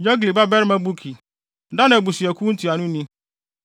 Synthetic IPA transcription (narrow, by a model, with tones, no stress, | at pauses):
jɔ˦ɡli˨ba˦bɛ˦ɾmã˦bu˦kʰi˨ | da˦nã˨bu˨si˨ɛ˨kʰu˦n̩˦tʰi˨a˨nʊ̃˦nĩ˦